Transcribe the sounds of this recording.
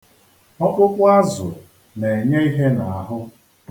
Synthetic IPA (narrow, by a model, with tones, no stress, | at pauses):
ɔ˦kʷʊ˦kʷʊ˦a˦zʊ̰˨ | ne˨ɲe˦i˦ɦe˦na˨a˨ɦʊ˦